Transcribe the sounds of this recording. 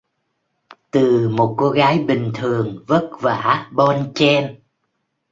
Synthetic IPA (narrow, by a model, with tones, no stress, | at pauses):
t̪ɨ˨˩mo˨˩t̚ko˧ɣaː˨˦jɓï˨˩ŋ̟t̪ʰɨ˨˩əŋvə˦˥t̚va̰ː˧˩˥ɓɔ˧nt͡ɕɛ˧n